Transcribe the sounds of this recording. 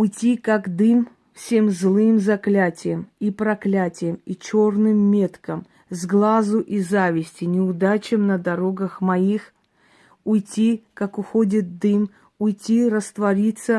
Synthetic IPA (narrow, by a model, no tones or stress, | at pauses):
ʊjtʲikakd̪ɨm | fsʲe̞mzlˠɨmzɐklʲætʲɪjəmipɾɐklʲætʲɪjəmit͡ɕo̞rnɨmːʲe̞t̪kəm | zɡlˠazʊʔizavʲɪsʲtʲɪnʲɪʊd̪at͡ɕɪmnəd̪ɐɾo̞ɡəxmɐix | ʊjtʲikakʊxodʲɪt̪̚d̪ɨm | ʊjtʲiɾəst̪vɐɾʲit̪sə